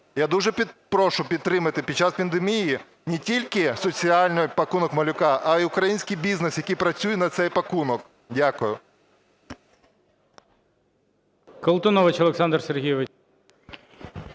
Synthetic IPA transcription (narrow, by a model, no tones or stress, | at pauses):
jad̪uʒɛpʲpɾɔʃʊpʲid̪̚t̪ːɾɪmɐt̪ɪpʲid̥̚ʲt͡ʃːaspʲɐnd̪emʲiji | nʲetʲilʲkɪsɔt͡sʲiɑlʲnɔjpɐkunɔkmɐlʲʊkɑʔɐiʊkɾɐjinʲsʲkijbʲiznesjɐkijpɾɐt͡sʲujɛnɐt̪sɛjpɐkunɔk | dʲakʊjʊ | kɔlˠt̪ɔnɔʋɪt͡ʃɐlˠeksɑnd̪rserɦijʋɪ